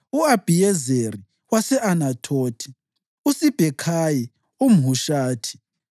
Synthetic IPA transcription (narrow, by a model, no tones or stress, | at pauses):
uab̥ʱijɛzeri | wasɛanatʰoːtʰi̥ | usib̥ʱɛkʰaji | um̩ɦuʃaːtʰi̥